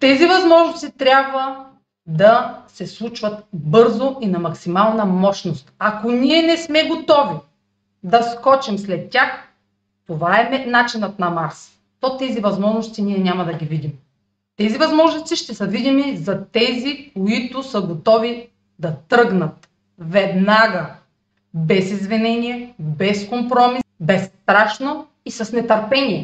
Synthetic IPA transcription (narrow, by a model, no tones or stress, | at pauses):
t̪ɛzivɐzmɔʒnost̪it̪ɾʲabvə | d̪ɐsɛslˠut͡ʃvɐt̪bɤɾzoinɐmɐksimalˠnɐmɔʃnost̪ɐkonʲiɛnɛsmɛɡot̪ɔvi | d̪ɐskɔt͡ʃɛmslɛt̪tʲax | t̪ovaɛɛnat͡ʃinət̪̚nɐmaɾs | t̪ɔt̪ɛzivɐzmɔʒnost̪iniɛnʲamɐd̪ɐɡʲivid̪im | t̪ɛzivɐzmɔʒnost̪iʃt̪ɛsəvid̪imizɐt̪ɛzikoit̪ʊsəɡot̪ɔvi | d̪ɐt̪ɾɤɡnət̪ | vɛd̪naɡə | bɛsizvɛnɛnʲiɛbɛskompɾɔmibɛst̪ɾaʃno | isɐsnɛt̪ɐɾpɛnʲiɛ